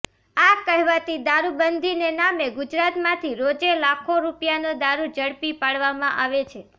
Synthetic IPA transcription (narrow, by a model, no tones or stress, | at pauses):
akəɦʋat̪id̪aɾubənd̪ʱinenameɡʊd͡ʒɾat̪mãt̪ʰiɾod͡ʒelakʰoɾupjanod̪aɾud͡ʒəɽpipaɽʋamãʔaʋet͡ʃʰe